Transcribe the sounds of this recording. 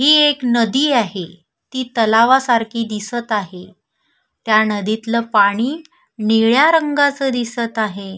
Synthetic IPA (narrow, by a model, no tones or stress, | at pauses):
ɦiːeknəd̪iːaɦe | t̪iːt̪əlaʋasaɾkʰiːd̪isət̪aɦe | t̪janəd̪it̪ləpaɽ̃iː | niɭjaɾəŋɡat͡səːd̪isət̪aɦe